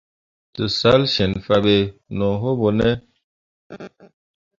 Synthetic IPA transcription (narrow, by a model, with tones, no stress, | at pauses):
tə˨sa˨˦lʃɛ˨nfa˨be˨nɔ˨ɦo˦bɔ˨nɛ˦